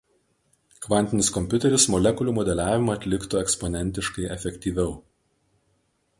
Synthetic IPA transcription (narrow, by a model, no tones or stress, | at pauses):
kʋɐnʲt̪ʲɪnʲɪskɔmʲpʲʊt̪ʲɛɾʲʊsmɔlʲɛkʊlʲuːmɔd̪ʲɛlʲæːʋʲɪmɐɐt̪ʲlʲɪkt̪ʊɛkspɔnʲɛnʲt̪ʲɪʃkɐɪʔɛfʲɛkʲt̪ʲiːʋʲɛʊ